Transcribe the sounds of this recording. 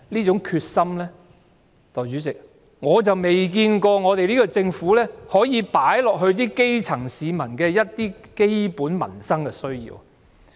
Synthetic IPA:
liː˥t͡sʊ˨˥ŋkʰyː˧t̚sɐ˥mlɛː˥ | t̪ɔː˨˩jt͡ʃy˨˥t͡sɪ˨k̚ | ŋɔː˨˧t͡sɐ˨wme˨˩jkiː˧nkɔː˧ŋɔː˨˧t̪e˨jliː˥kɔ˧t͡sɪ˧ŋfuː˨˥lɛː˥hɔː˨˥jiː˨˧paː˨˥jlɔː˨k̚ɦɵ˧ɥt̪̬iː˥ke˥jt͡sʰɐ˨˩ŋsiː˨˧mɐ˨˩nkɛː˧jɐ˥t̚t̪iː˥ke˥jpuː˨˥nmɐ̰˨˩nsɐ˥ŋkɛ˧sɵ˥ɥjḭː˧w

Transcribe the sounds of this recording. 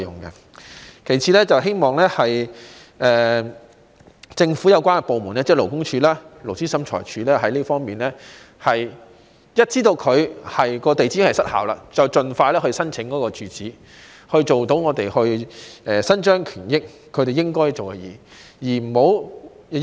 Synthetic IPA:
jʊ̰˨˩ŋkɐ̰˧ | kʰe˨˩jt͡sʰiː˨˥lɛː˥t͡sɐ˨wɦe˥jmɔː˨ŋlɛː˥hɐ˨j | ʔɛː˨˩ | t͡sɪ˧ŋfuː˨˥jɐ˨˧wkʷaː˥nɛ˧po˨wmuː˨˩naː˥t͡sɛː˥˩lo˨˩wkʊ˥ŋt͡ʃʰyː˨˧˥laː˥lo˨˩wt͡siː˥sɐ˨˥mt͡ʃʰɔ̰ː˨˩jt͡ʃʰyː˨˥lɛː˥ɦɐ˨˥jliː˥fɔː˥ŋmiː˨nlɛː˥ | hɐ˨j | jɐ˥t̚t͡siː˥t̪o˧wkʰɵ˨˧ɥhɐ˨jkɔː˧t̪e˨jt͡siː˥ŋhɐ˨˩jsɐ˥t̚ha̰ː˨wla̰ː˧t͡sɐ˨˩wt͡ʃɵ˨nfaː˧jlɛː˥ɦɵ˧ɥsɐ˥nt͡sʰɪ˨˥ŋkɔː˨˥kɔː˧t͡ʃyː˨˧t͡siː˨˥ | hɵ˧ɥt͡so˨wt̪o˨˥wŋɔː˨˧t̪e˨jhɵ˧ɥɛː˨sɐ˥nt͡ʃœː˥ŋkʰyː˨˩njɪ˥k̚ʰːɵ˨˧ɥt̪e˨jɪ˥ŋkɔː˥jt͡ʃo˨wkɛ˧jɛ̰ː˨˧jiː˨˩m̩˨˩ho˨˥w

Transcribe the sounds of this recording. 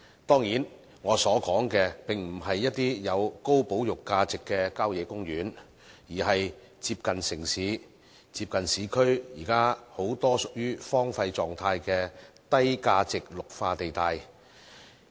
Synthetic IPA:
t̪ɔː˥ŋjiː˨˥n | ŋɔː˨˧sɔː˨˥kɔː˨˥ŋkɛː˧pɪ˨ŋm̩˨˩ɦɐ˨jːɐ˥t̚t̪iː˥jɐ˨˧wko˥wpo˨˥wjʊ˨kːaː˧t͡sɪ˨kːɛː˧kaː˥wjɛː˨˥kʊ˥ŋjyː˨˥n | jiː˨˩hɐ˨j | t͡siː˧p̚kɐ˨nsɪ˨˩ŋsiː˨˥ | t͡siː˧p̚kɐ˨nsiː˨˧˥kʰɵ˥ɥjiː˨˩kaː˥ho˨˥wt̪ɔː˥sʊ˨k̚jyː˥fɔː˥ŋfɐ˧jt͡sɔː˨ŋt̪ʰaː˧jkɛː˧ | t̪ɐ˥jkaː˧t͡sɪ˨k̚lʊ˨k̚faː˧t̪e˨jt̪aː˧j

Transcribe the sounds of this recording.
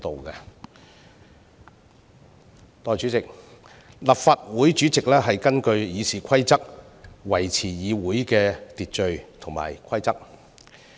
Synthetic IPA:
t̪o˨wkɛ˧ | t̪ɔː˨˩jt͡ʃyː˨˥t͡sɪ˨k̚ | lɐ˨p̚faː˨t̚wuː˨˥jt͡ʃy˨˥t͡sɪ˨k̚lɛː˥ɦɐ˨jkɐ˥nkɵ˧ɥjiː˨˧siː˨˩kʷʰɐ˥jt͡sɐ˥k̚ | wɐ˨˩jt͡sʰiː˨˩jiː˨˧wuː˨˥jkɛː˧t̪iː˨t̚t͡ʃɵ˨˧ɥt̪ʰʊ˨˩ŋma̰ː˨jkʷʰɐ˥jt͡sɐ˥k̚

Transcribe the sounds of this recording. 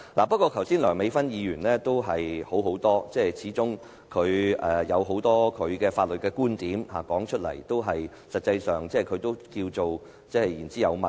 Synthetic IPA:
laː˨˩pɐ˥t̚kːɔː˧kʰɐ˨˩wsiː˥nlœː˨˩ŋme˨˧jfɐ˥njiː˨˧jyː˨˩nlɛː˥t̪o˥wɦɐ˨jho˨˥wɦo˨˥wt̪ɔː˥t͡sɛː˥˩t͡sʰiː˨˥t͡sʊ˥ŋ | kʰɵ˨˧ɥɛː˨jɐ˨˧wɦo˨˥wt̪ɔː˥kʰɵ˨˧ɥkɛː˧faː˧t̚lɵ˨t̚kɛː˧kuː˥nt̪iː˨˥mhaː˨˩kɔː˨˥ŋt͡ʃʰɵ˥t̚lɐ̰˨˩jt̪o˥wɦɐ˨j | sɐ˨t̚t͡sɐ˧jsœː˨ŋt͡sɛː˥˩kʰɵ˨˧ɥt̪o˥wkiː˧wt͡so˨w | t͡sɛː˥hɐ˨jiː˨˩nt͡siː˥jɐ˨˧wmɐ˨

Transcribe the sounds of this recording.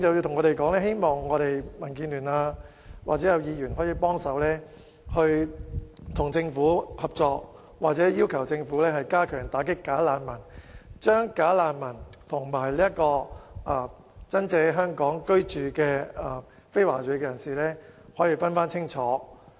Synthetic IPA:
t͡sɐ˨wji˧wt̪ʰŋɔː˨˧ɾe˨˩jkɔː˨˥ŋlɛː˥ɦe˥jmɔː˨˩ŋːɔː˨˧ɾe˨jmɐ˨˩nkiː˧nlyː˨˩naː˧ | wʔaː˨t͡sɛː˨˥jɐ˨˧wjiː˨˧jyː˨˩nɦɔː˨˥jiː˧pɔː˥ŋsɐ˨˧wlɛː˥ | hɵ˧ɥ | t̪ʰʊ˨˩ŋt͡sɪ˧ŋfuː˨˥hɐ˨p̚t͡ʃɔː˧k̚ | waː˨t̚t͡sɛː˨˥jiː˥wkʰɐ˨˩wt͡sɪ˧ŋfuː˨˥lɛː˥hɐ˨jkaː˥kʰœː˨˩ŋt̪aː˨˥kɪ˥kːaː˨˥laː˨˧nmɐ˨˩nt͡ʃœː˥ŋkaː˨˥laː˧nmɐ˨˩nt̪ʰʊ˨˩ŋmaː˨˩jliː˥jɐ˥tkɔː˧ʔa˨ | t͡sɐ˥nt͡sɛː˧ɦœː˥ŋkɔː˨˥ŋkɵ˥ɥt͡ʃyː˨kɛː˧aː˨ | fe˥jwaː˨˩t͡ʃy˨˧˥kːɛː˧jɐ˨˩nsiː˨˩lɛː˥hɔː˨˥ji˨˧fɐ˥nfaː˥nt͡sʰɪ˥ŋt͡ʃʰɔː˨˥

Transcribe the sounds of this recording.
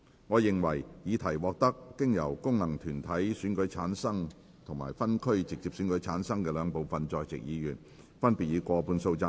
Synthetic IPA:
ŋɔː˨˧jɪ˨ŋwɐ˨˩jjiː˨˧t̪ʰɐ˨˩jwɔː˨k̚t̪ɐ˥kːɪ˥ŋjɐ˨˩wkʊ˥ŋnɐ˨˩ŋt̪ʰyː˨˩nt̪ʰɐ˨˥jsyː˨˥nkɵ˨˥ɥt͡sʰaː˨˥nsɐ˥ŋ | t̪ʰŋma̰ː˨˩jfɐ˥nkʰɵ˥ɥt͡sɪ˨k̚t͡si˧p̚syː˨˥nkɵ˨˥jt͡sʰaː˨˥nsɐ˥ŋkɛː˧lœː˨˧ŋpo˨wfɐ˨nt͡sɔː˧jt͡sɪ̰˨k̚jiː˨˧jyː˨˩n | fɐ˥npi˨t̚jiː˨˧kʷɔː˧puː˧nso˧wt͡saː˧

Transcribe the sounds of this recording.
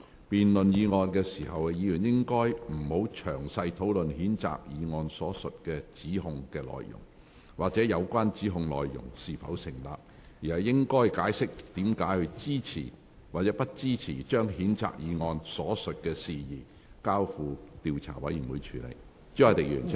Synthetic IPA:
piː˨nlɵ˨njiː˨˧ŋɔː˧nkɛː˧siː˨˩hɐ˨wjiː˨˧jyː˨˩njɪ˥ŋkɔː˥jm̩˨˩ho˨˥wt͡ʃʰœ̰ː˨˩ŋsɐ˧jt̪ʰo˨˥wlɵ˨nhiː˨˥nt͡sa̰ː˨k̚jiː˨˧ŋɔː˧nsɔː˨˥sɵ˨t̚kɛː˧t͡siː˨˥ɦʊ˧ŋkɛː˧lɔ̰ː˨jjʊ̰˨˩ŋ | waː˨k̚t͡sɛː˨˥jɐ˨˧wkʷaː˥nt͡siː˨˥ɦʊ˧ŋlɔ̰ː˨jːʊ̰˨˩ŋsiː˨fɐ̰˨˥wsɪ˨˩ŋla̰ː˨p̚ | jiː˨ɐ˨jːɪ˥ŋkɔː˥jkaː˨˥jsɪ˥k̚t̪iː˨˥mkaː˨˥jhɵ˧ɥt͡siː˥t͡sʰḭː˨˩ | waː˨˩t͡sɛː˨˥pɐ˥t̚t͡siː˥t͡sʰiː˨˩t͡ʃœː˥ŋɦiː˨˥nt͡sa̰ː˨k̚jiː˨˧ŋɔː˧nsɔː˨˥sɵ˨t̚kɛː˧siː˨jiː˨ | kaː˥wfuː˨˧t̪iː˧wt͡sʰa̰ː˨˩wɐ˨˥jyː˨˩nwuː˨˧jt͡ʃʰyː˨˩lḛ˨˩j | t͡si˥ɐ˨˩t̪ɪ˨k̚jyː˨˩nʰ˨

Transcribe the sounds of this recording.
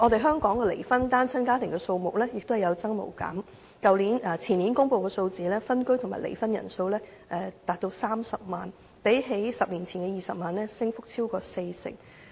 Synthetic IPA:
ɔː˨˧t̪e˨jɦœː˥ŋkɔː˨˥ŋkɛ˧lḛ˨˩jfɐ˥nt̪aː˥nt͡sʰɐ˥nkaː˥t̪ʰɪ˨˩ŋkɛː˧so˧wmʊ˨k̚lɛː˥jɪ˨k̚t̪o˥hɐ˨˩jɐ˨˧wt͡sɐ˥ŋmo̰˨˩wka̰ː˨˥m | kɐ˨wliː˨˥nɛː˨˩t͡sʰiː˨˩niː˨˥nkʊ˥ŋpo˧wkɛː˧so˧wt͡siː˨lɛː˥fɐ˥nkɵ˥ɥt̪ʰʊ˨˩ŋmaː˨˩jlḛ˨˩jfɐ˥njɐ̰˨˩nso˧wlɛː˥ | ʔɛː˨˧t̪aː˨˩t̚t̪o˧wsaː˥msɐ˨p̚maː˨˩n | pe˨˥jɦe˨˥jsɐ˨p̚liː˨˩nt͡sʰiː˨˩nkɛ˧jiː˨˩sɐ˨p̚maː˨nlɛː˥sɪ˥ŋfʊ˥k̚t͡sʰiː˥wkɔː˧se˧jsɪ̰˨˩ŋ

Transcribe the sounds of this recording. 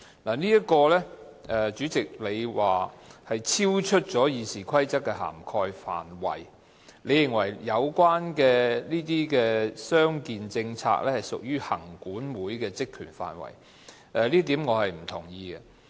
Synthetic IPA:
naː˨˩niː˥jɐ˥t̚kɔː˧lɛ˥ | ʔɛ˨˧t͡ʃyː˨˥t͡sɪ˨k̚le˨˧jwaː˨˩hɐ˨jt͡sʰiː˥wt͡ʃʰɵ˥t̚t͡sɔː˨˥jiː˨˧siː˨˩kʰɐ˥jt͡sɐ˥k̚kːɛ˧ɦa̰ː˨˩mkʰɔː˧jfa̰ː˨nwɐ̰˨˩j | le˨˧jɪ˨˩ŋwɐ˨˩jːɐ˨˧wkwaː˥nkɛː˧niː˥t̪̬iː˥kɛː˧sœː˥ŋkiː˨nt͡sɪ˧ŋt͡sʰa̰ː˧˥k̚lɛː˥hɐ˨˩jsʊ˨k̚jyː˥hɐ̰˨˩ŋkuː˨˥nwuː˨˥jkɛː˧t͡sɪ˥kʰːyː˨˩nfa̰ː˨nwɐ̰˨˩j | ʔɛ˨liː˥t̪̬iː˨˥mŋɔː˨˧hɐ˨jm̩˨˩t̪ʰʊ˨˩ŋjiː˧ɡɛ˧

